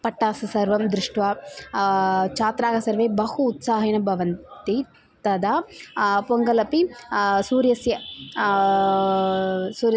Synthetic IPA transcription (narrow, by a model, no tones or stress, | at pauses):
pɐʈːaːsɐsɐɾʋɐmd̪ɾɪʂʈʋaː | t͡ʃaːt̪ɾaːɡɐsɐɾʋeːbɐhuːt̪saːɦɐnɐbʱɐʋɐnt̪i | t̪ɐd̪apoŋɡɐlɐpisuːɾjɐsjɐ | suːɾ